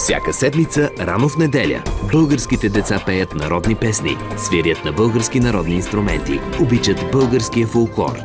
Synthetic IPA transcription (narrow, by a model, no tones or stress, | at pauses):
fsʲa̰kəsɛd̪mit̪səɾanofnɛd̪ɛlʲə̰bɤlˠɡəɾskit̪ɛd̪ɛt̪sapɛjət̪nɐɾɔd̪nipɛsnḭsviɾʲjət̪nɐbɤlˠɡəɾskinɐɾɔd̪niːnst̪ɾʊmɛnt̪ḭobit͡ʃət̪bɤlˠɡəɾskijəfolˠklˠɔ̰ɾ